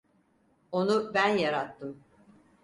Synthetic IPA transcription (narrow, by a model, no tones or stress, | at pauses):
o̞nubænjaɾat̪ʰːɯm